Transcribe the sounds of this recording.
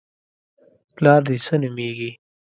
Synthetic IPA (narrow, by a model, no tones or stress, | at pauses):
plɑːɾd̪isənumiɡi